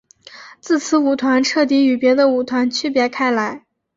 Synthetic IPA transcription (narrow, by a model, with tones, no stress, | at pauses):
t͡sɹ̩˥˩t͡sʰɹ̩˧˥u˨˩t̪ʰwa˧˥nʈ͡ʂʰɤ˥˩t̪̬i˧˥y˨˩pjɛ˧˥d̪ə˧u˨˩t̪ʰwa˧˥nt͡ɕʰy˥pjɛ˧˥kʰa˥ɪla˧˥ɪ